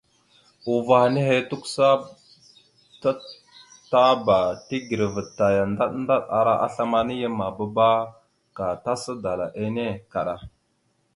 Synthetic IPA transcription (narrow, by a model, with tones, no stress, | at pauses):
u˨va˨hne˦he˦tu˦ksa˦ | ta˦ | ta˦ba˨ti˦ɡi˨ɾvə˨tːa˨ja˨nda˦ɗnda˦ɗa̰˨ɾa˦ʔa̰˦ɬa˦ma˦ni˦jə˦ma˨ba˦ba˦ | ka˨ta˦sə˦da˨la˨ʔe˦ne˦ka˨ɗa˨